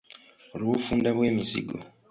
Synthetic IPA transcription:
oluβufuːndaβwe̞ːmisḭɡo̰

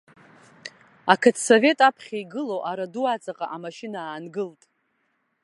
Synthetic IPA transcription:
akʰɨtʰsove̞tʼapʰχʲajɡɨloʔaɾaduat͡sʼaqʼaʔamaʃinaːnɡɨltʼ

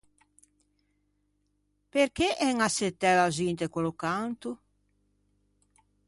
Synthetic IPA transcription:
peɾkeʔɛŋaset̪ːɛlazint̪ekolokant̪u

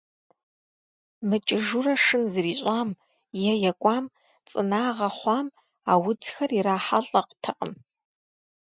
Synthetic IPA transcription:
mɨt͡ʃʼɪʒurɐʂɨnzɨriːɕʼaːm | jɛjɛkʷʼɑːm | t͡sʼɨ̰naːʁɐχʷɑːm | aːwʊd͡zxɐriɾaːħaɬʼɐqtʰɨqʼə̰m

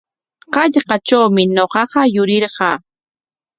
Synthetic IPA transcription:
qɑʎɢɑt͡ʃawmɪnoqɑqɑjʊɾɪɾɢɑː

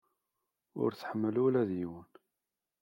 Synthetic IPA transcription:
ʊ̰ɾθə̥ħəmːəlulæðjiwən

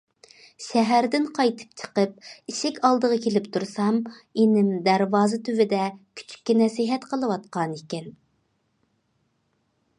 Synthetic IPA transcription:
ʃɛɦæɾd̪ɪnqʰɑjt̪ʰɨ̥p̚t͡ʃʰə̥qəp̚iʃɪkʲɑlˠd̪əʁɑkʲʰelɪpt̪ʰuɾsɑmenɪmd̪æɾwɑːzɨt̪ʰyvɪd̪ɛkʲʰy̥t͡ʃʰy̥k̚ʲːɛnɛsɪɦɛt̪qʰəlˠɨwɑt̪̚qɑnikʲɛn

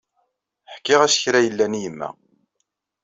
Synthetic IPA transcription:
ħkːɪʁæsçɾæjəlːænijəmːæ̰

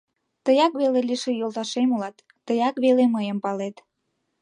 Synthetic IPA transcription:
t̪əjɑkβeleliʃejolˠt̪ɑʃemulɑt̪ːəjɑkβeleməjəmpɑlet̪

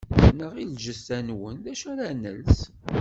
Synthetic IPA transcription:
θnəʁilʒəst̪ænwənðæʃæɾænə̰ls

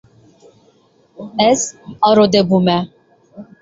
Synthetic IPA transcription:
ɛsɑɾod̪ɛbumɛ

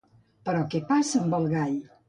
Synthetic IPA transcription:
pəɾɔkɛpasəəmbəlˠɣaj

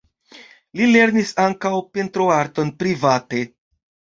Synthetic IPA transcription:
lile̞ɾnisaŋkawpe̞ntɾo̞aɾto̞npɾivate̞

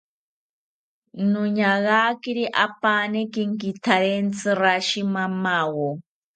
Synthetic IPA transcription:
nʊɲaɣakiɾiʔapanekiŋkit̪ʰaɾent͡sɨɾaʃimamawo

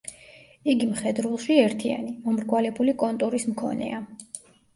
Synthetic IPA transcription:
iɡimχɛd̪ɾulˠʃiɛɾt̪ʰia̰nimɔmɾɡwalɛbulikʼɔnt̪ʼuɾismkʰɔ̰nɛ̰a

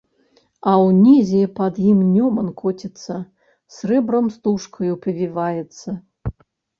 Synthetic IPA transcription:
ɐwnʲizʲɛpɐd̪jimnʲɔmɐnkʰɔt͡sʲɛt̪sːɐ | srɛbɾɐmst̪uʂkʰɐjupɐvʲivajɛt̪sːɐ

